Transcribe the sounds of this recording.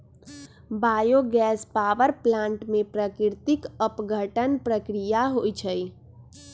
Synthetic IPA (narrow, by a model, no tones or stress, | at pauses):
baːjoɡɛːspaːʋəɾplãːɳʈmẽpɾəkɪɾt̪ɪkəpɡʱəʈənpɾəkɾijaɦoit͡ʃʰə